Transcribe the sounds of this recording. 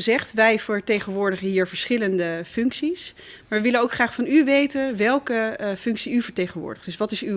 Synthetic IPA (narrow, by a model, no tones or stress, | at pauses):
əzɛχtʋɛjvəɹtejχənʋʊːɹdəχənɦiːɹvəɹsχɪləndəfʏŋksis | maːɹʋəʋɪlənowkχraːχfɑnyʋejtənʋɛlˠkəfʏŋksiyvəɹtejχənʋʊ̰ːɹdəχd̥ɵsʋɑtɪsy